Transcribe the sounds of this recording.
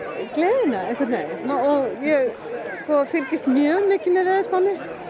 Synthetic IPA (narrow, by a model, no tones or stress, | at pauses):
kleːðɪnaɛhkʰɛtnejɔɣjɛɣ | skɔfɪɾcɪst̪mjœːɣmɪːcɪmɛðɛːðɪspawnɪ